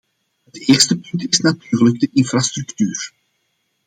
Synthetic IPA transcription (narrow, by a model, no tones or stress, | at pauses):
ɦəteːrstəpɵntɪsnatyːrləɡ̚dəʔɪnfrastrɵktyːr